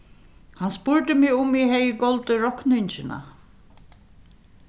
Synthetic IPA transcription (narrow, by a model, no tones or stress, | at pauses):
hanspʊɹt̪ɪmɪɣʊmiɦɛjɪkɔlt̪ɪɾɔhknɪɲt͡ʃɪna̰